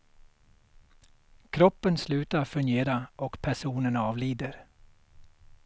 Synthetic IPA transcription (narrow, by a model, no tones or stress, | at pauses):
kʰɾɔpːənslʉ̟ːt̪aɾfɵŋɡeːɾaʔɔkpʰæʂuːnənɑːvliːd̪əɾ